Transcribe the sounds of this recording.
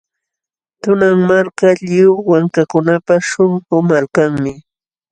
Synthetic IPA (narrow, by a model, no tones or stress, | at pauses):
t̪ʊnaŋmaɾkaʎɪʊwaŋkakʊnapaʃʊŋɢʊmalkaŋmɪ